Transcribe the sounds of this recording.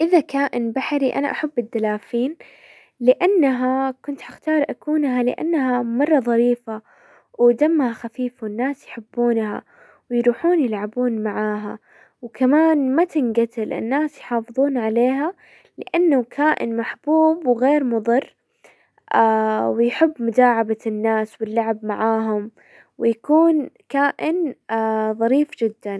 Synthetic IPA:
ʔɪðakaːʔɪnbaħaɾiʔa̰naʔaħabːɪd̪ːalaːfiːn | lɪʔanːaɦakʊnt̪ħaxt̪ɑːɾˤʔakuːnɦalɪʔa̰nːɦamɑrˤːɑðˤɑɾiːfa | wd̪amːhaxafiːfawɪnːaːsjħɪbːuːnha̰ | wjɾuːħuːnjɪlʕabuːnmaʕaːɦa | wkamaːnmat̪ɪnɡat̪ɪlʔɪ̰nːaːsjħɑːfɨðˤuːnʕaleːɦa | lɪʔanːakʰaːʔɪ̰nmaħb̥uːbwɣeːɾmʊðˤɨrː | ʔawɪjħɪbːmʊd̪aːʕabanːaːswɪlːaʕabmaʕaːɦʊm | wɪjakuːnkaːʔɪn | ðˤɑɾiːfd͡ʒɪd̪ːan

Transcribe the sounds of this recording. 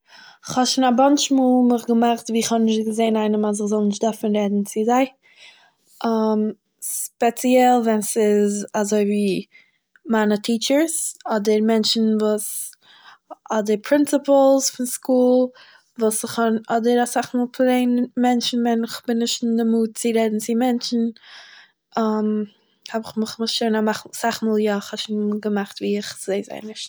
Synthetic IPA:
ɪχhɔʃʊnabant͡ʃmuːlˠmɪχɡəmaχtviːɪχhɔbnɪʃtɡəzeɪnaɪnəmaz̬ɪχzɔlˠnɪʃtd̥ɔɾfn̩ɾɛdn̩t͡sɪzaɪ | ʔam | spɛt͡siɛlˠvɛnsɪzazoɪviː | manətʰiːt͡ʃəɾsɔdəɾmɛnt͡ʃn̩vuːs | ɔdəɾpʰɾɪnt͡səpl̩ˠsfɪnskuːlˠ | vuːsɪχɔnɔdəɾasaχmuːlˠpʰlˠeɪnmɛnʃn̩vɛnɪχb̥ɪnɪʃtndɪmuːt̚t͡sɪɾɛdn̩t͡sɪmɛnt͡ʃn̩ | am | hɔbɪχmɪχmɪʃoɪnamaχsaχmuːlˠjaɪχhɔʃinɡəmaχtviːɪχz̥eɪza̰ɪnɪʃt

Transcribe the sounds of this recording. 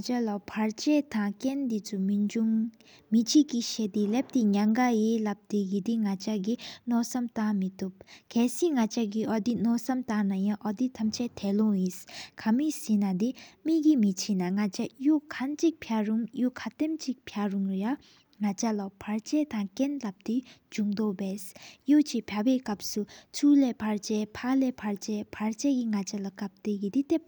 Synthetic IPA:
t͡ɕalapʰat͡ɕɛt̪aŋkɛnd̪it͡sʰumid͡ʑuŋ | mit͡ɕʰiʔkːiɕɛːt̪elep̚t̪eɲaŋkajeːlap̚d̪eɡid̪iŋat͡ɕaʔk̬inɔʔsamt̪aŋmit̪up̚kʰɛːsiːŋat͡ɕaʔk̬iʔɔd̪inɔsamt̪aŋnajaŋʔɔd̪it̪ʰamt͡ɕʰɛt̪ʰɛːloŋjiskʰamisinad̪emiɡimit͡ɕʰinaŋat͡ɕajukʰant͡ɕik̚pʰjaɹuŋjukʰat̪emt͡ɕik̚pʰjaɹuŋja | ŋat͡ɕalapʰaɹt͡ɕɛt̪aŋkɛnlap̚t̪id͡ʑuŋd̪obɛsjot͡ɕipʰjawɛːkap̚sut͡sʰulɛpʰaɹt͡ɕɛpʰalɛpʰaɹt͡ɕɛpʰaɹt͡ɕɛɡiŋat͡ɕalakap̚t̪eɡid̪it̪ep̚

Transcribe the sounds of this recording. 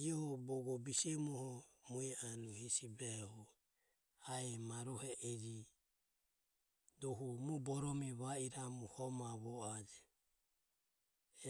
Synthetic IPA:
iɔhɔbɔɡɔbisɛmuhɔmuianuhisibɛhɔ | aɛmaɾɔhɛʔɛɾi | dɔɦumubɔɾɔmiβaiɾamuhɔmaβɔad͡ʒɛ

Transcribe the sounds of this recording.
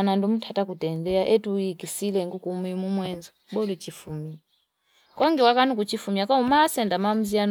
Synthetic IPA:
nandum̩tʰatakutɛndɛaʔɛtujikisilɛŋɡukumimumwɛnzɔɓɔlit͡ʃifumia | kɔŋɡɛwakanukut͡ʃifumiakɔumasɛndamam̩zian

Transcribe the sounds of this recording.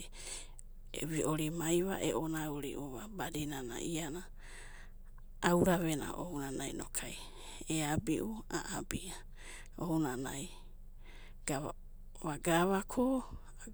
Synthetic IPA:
ḛβiʔoɾimajβa̰ʔeʔonauɾiʔuβabadinana̰ʔiana | wɾaβena̰ʔounanajno̰kʰaj | eabiʔuaʔabiʔa | ounana̰j | ɡ̥aβa | βaɡaβakʰo

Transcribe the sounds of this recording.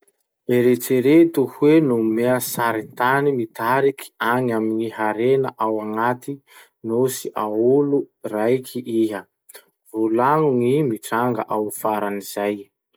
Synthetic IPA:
eɾet͡seɾet̪uhuwenumeəsaɾit̪animit̪aɾiki̥aŋaminiɦaɾenəʔawaŋat̪i | nosiʔaulurajkʰiʔiɦə | vulaŋuŋimiʈ͡ʂaŋɡə̰ʔawfaɾaniz̥aj

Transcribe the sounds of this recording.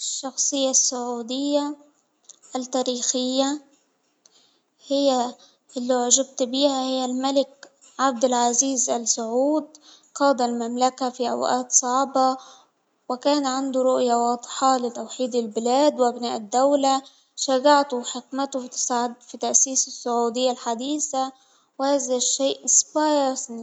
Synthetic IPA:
ʃːɑxsˤɨjːasːʊʕuːd̪ɪjːa | ʔːlt̪ːaːɾiːxɪjːa | hɪjːa | ʔɪlːiʕʒab̚t̪biːhahɪjːalmalɪk̚ | ʕab̚d̪ɪlʕaziːzʔalsʊʕuːd̪̚ | qɑːd̪almamlakafiʔa̰wʔaːt̪sˤɑʕbɑ | wɪkaːnʕand̪ʊɾˤʊʔjawɑːd̪ˤħɑlɪt̪awħiːd̪ɪlbɪlaːd̪wʔabnaːʔɪd̪ːawla | ʃaɡaʕt̪ʊħɪkmɪt̪ʊfit̪sd̪fit̪aʔsiːsɪsːʊʕuːd̪ɪjːalħad̪iːsa | wɪhaːzaʃːeːʔʔɪsbɑjɾsni

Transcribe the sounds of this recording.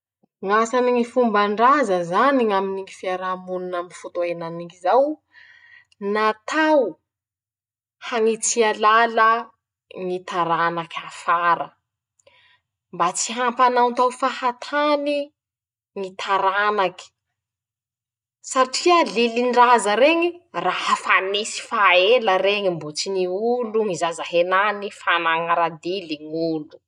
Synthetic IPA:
ŋasaniŋifumbaɳɖ͡ʐazəzaniŋaminiŋifiaɾamununamifut̪oenaniŋizaw | nat̪ʰaw | haŋit͡sialalə | ŋit̪aɾanakʰʲafaɾə | mbat͡siɦampanawnt̪awfahat̪ʰani | ŋit̪ʰaɾanaki̥ | saʈ͡ʂialiliɳɖ͡ʐazəɾeŋirahafanisi̥faeləreŋimbut͡siniuluŋizazaɦenanifanaŋaɾad̪iliŋulu̥

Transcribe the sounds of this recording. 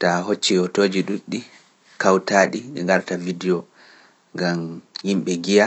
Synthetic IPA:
taɦot͡ʃːijɔtoːd͡ʒiɗuɗːi | kawtaːɗiɗɛ̰ŋɡaɾtavidiɔ | ŋɡamhimɓɛɡija

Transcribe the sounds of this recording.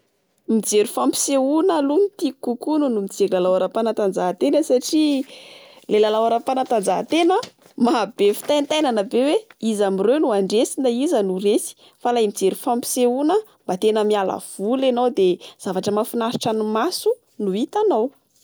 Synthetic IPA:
mid͡zeɾufampi̥seunalunit̪ikukununumid͡zeɾilalawaɾapanat̪and͡zaɦt̪enəsaʈ͡ʂi | lelalawaɾapanət̪and͡zaɦt̪enə | maɦb̥efi̥t̪ajnt̪ajnanəbeweizamirewnuaɳɖ͡ʐesinaizənuresi̥ | falajmid͡zeɾifampi̥seunəmbat̪enəmiala̰v̥ulenawd̪ez̥avaʈ͡ʂəmafinaɾi̥ʈ͡ʂanumasu | nuit̪anaw

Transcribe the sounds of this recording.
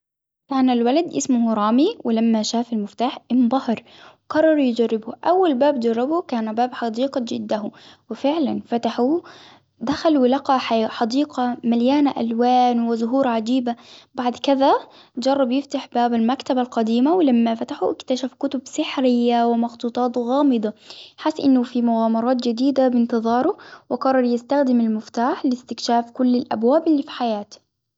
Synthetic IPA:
kaːnalwalad̪ʔɪsmʊhɾˤɑːmiwɪlamːaʃaːfalmɪft̪aːħʔɪnd̪ˤɑhɑɾˤ | wqɑrˤːɑɾˤjɪd͡ʒarːɪbʊʔawːalbaːbd͡ʒɑrˤːɑbʊkaːnbaːbħɑd̪iːqɑd͡ʒɪd̪ːahʊwɪfɪʕlanfat̪aħu | d̪axalwɪlɑqɑħaħɑd̪iːqɑmaljaːnaʔa̰lwaːnwɪzʊɦuːɾʕad͡ʒiːbabaʕd̪kɪða | d͡ʒɑrˤːɑbjɪft̪aħbaːbalmakt̪abalqɑd̪iːmawɪlamːafat̪aħuʔɪkt̪aʃafkʊt̪ʊbsɪħɾɪjːawɪmɑxt̪ˤuːt̪ˤɑːt̪ɣɑːmɨd̪ˤɑħɪsːʔɪnːʊfimʊɣaːmɑɾˤɑːt̪d͡ʒɪd̪iːd̪abɪnt̪ɨðˤɑːɾˤʊwɪqɑrˤːɑɾˤjɪst̪axd̪ɪmalmɪft̪aːħlɪst̪ɪkʃaːfkʊlːɪlʔa̰bwaːbɪlːiːfi̥ħajaːt̪

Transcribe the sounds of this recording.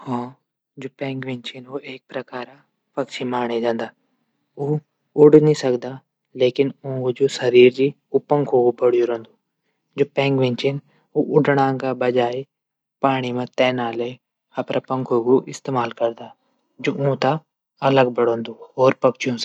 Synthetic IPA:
hãː | d͡ʒoːpɛ̃ːŋɡʋɪ̃ɲt͡ʃɪnoːeːk̚pɾəkaːɾa | pɐkt͡ʃʰimaːɳ̃ed͡ʒãːnd̪aː | uː | ʊɽnĩsəkd̪aː | leːkɪnõːɡod͡ʒoːsəɾiːɾd͡ʒi | uːpə̃ŋkʰɦoːɡopəɽ̤ɪjoɾõːnd̪uː | d͡ʒoːpɛ̃ːŋɡʋẽɲt͡ʃɪn | oʔʊɖɽ̃ãːɡabɐd͡ʒaːe | paːɽ̃imẽt̪ɛːnaːle | hapɾʔapə̃ŋkʰoːɡoʔɪst̪eːmaːlkəɾd̪aː | d͡ʒoõːt̪a | ɐləɡbəɽɦõːnd̪uːɦoːɾpəkt͡ʃʰijõː

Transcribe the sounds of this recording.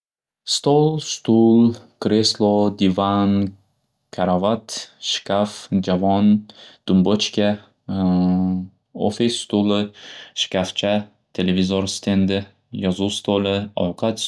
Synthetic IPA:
st̪olˠst̪ulˠkɾeslˠod̪ivan | kʲʰaɾavat̪ʃkʲafd͡ʒavɒnd̪̥ʊmbot͡ʃkʲa | o̰fest̪ulˠɪʃɪ̥kʲaft͡ʃʰa | t̪ʰelevʲizoɾst̪ʰend̪ɪ | jɒzust̪ʰolɪɒ̰wqat̪

